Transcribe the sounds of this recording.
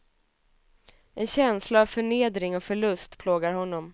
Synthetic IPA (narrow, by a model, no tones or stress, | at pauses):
ɛnɕɛnslaːvfœɳeːd̪ɾɪŋɔfœɭɵst̪pʰloːɡaɾɦɔnːɔm